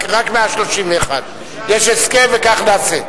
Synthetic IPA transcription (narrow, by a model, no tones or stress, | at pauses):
kʁakmeaʃloʃimveːχa̰d | jeʃeskevekaχnaːse